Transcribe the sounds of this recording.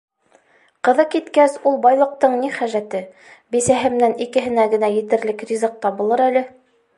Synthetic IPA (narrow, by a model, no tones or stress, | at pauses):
qɤ̆ðɤkit̪kæsulˠbɑjlˠɤ̆q̚t̪ɤɴniχæʒæt̪ɘ | bisæɦɘ̆mnænikɘ̆ɦɘ̆næɡɘ̆næjɘ̆t̪ɘ̆ɾlɘkrʲizɤq̚t̪ɑbŭlˠɤɾælɘ